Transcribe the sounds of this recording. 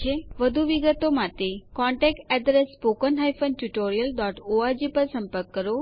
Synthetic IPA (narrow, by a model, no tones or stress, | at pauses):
eʋəd̪ʱuʋiɡət̪omat̪ekɔ̃ɳʈɛk̚ʈɛɖɾespokənɦajfʰənʈuʈoɾijəlɖaʈoaɾd͡ʒipəɾsəmpəɾkːəɾo